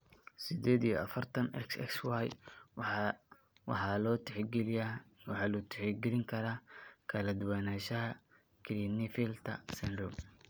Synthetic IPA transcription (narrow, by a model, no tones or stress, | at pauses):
sɪd̪ɛːd̪ijɔɐfɐrt̪ʰɐnɛ̰ksɛ̰kswɑj | wɑħɑlɔː | wɑħɑːlut̪ʰɪ̥ħɛɡɪlɪŋkʰɐɾaːkʰɐlɐd̪ʊwaːnaːʃɐɦɐ | kʰɪlinɪfilt̪ʰɐ̰sɛndʊm